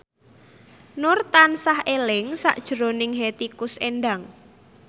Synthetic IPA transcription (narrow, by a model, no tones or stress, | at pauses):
nʊrt̪ansahelɪŋsa̰ʔd̥ʒ̥ə̤ɾonɪŋɦet̪ikʊseɳɖaŋ